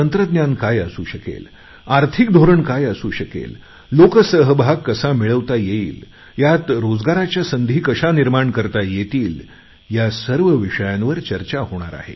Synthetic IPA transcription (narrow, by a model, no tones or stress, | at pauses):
ənt̪ɾəd̪njankajəsuːɕəkḛl | aɾt̪ʰik̚d̪ʱoɾəɳkajəsuːɕəkḛlː | okəsəɦbʱaɡkːəsamiɭəʋt̪ajeiːl | jat̪ɾod͡zɡaɾat͡ɕjasənd̪ʱiːkəɕaniɾmaɳkəɾt̪ajet̪iːl | jasəɾʋəʋiʂəjanʋəɾt͡ɕəɾt͡ɕahoɽ̃a̰ɾa̰ɦḛ